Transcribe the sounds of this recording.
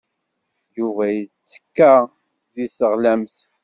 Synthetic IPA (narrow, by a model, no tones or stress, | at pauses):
juvæjət͡sːə̥kːa | ðisəʁlæmθ